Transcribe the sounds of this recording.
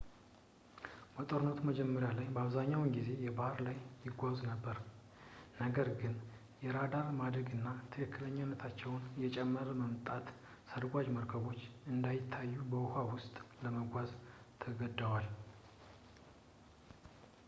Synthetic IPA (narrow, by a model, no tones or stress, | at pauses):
bət̪ʼo̞ɾɨnːət̪ʰuməd͡ʒɛmːəɾjalajbəaβzaɲːawnɡize̞jɛbahɾlajjɪɡʷaznəbːəɾ | nəɡəɾɡɨn | jɛɾad̪aɾmad̪ɾəɡɨnːat̪ʰɨkʰɨkːɨləɲːanːət̪ʰat͡ʃːɛwnjɛt͡ʃʼɛmːəɾəməmt̪ʼat̪ | səɾɡʷad͡ʒməɾkʰəβo̞t͡ʃːɨnd̪ajɪt̪ʰːajːubəhawʊst̪ʼləməɡʷaz | t̪ʰəɡəd̪ːəwal